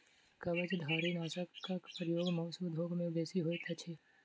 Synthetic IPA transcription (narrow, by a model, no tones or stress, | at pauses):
kɐbət͡ʃd̪ʱaːɾinaːsəkkːapɾəjoːɡmɐʋsud̪ʱoːɡmẽbeːsiɦoit̪ʰat͡ʃʰe